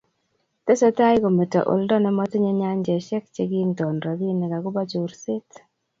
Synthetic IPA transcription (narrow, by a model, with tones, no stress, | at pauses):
t̪ɛ˦sɔ˦ta˦jɡo˨me˨tɔ̰˨ʔo̰˨ldɔ˦nɛ˦mɔ˦t̪ɲe˦ɲa˦ɲd͡ʒɛ˨ʃɛ˦kt͡ʃe˦ɡi˦ntɔ˨nɾɔ˨di˦nɛ˨ka˨ɡʊ˦ba˦d͡ʒu˨ɾsɪ˦t